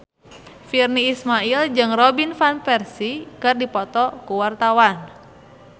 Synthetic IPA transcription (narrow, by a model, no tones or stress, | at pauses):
firniːsmaild͡ʒɨŋrɔbinfanpɛrsikɨrdipɔt̪ɔkuwart̪awan